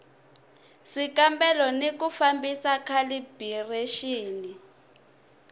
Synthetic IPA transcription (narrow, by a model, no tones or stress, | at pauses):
sikambɛlɔnekufambisakʰalibʱireʃiːni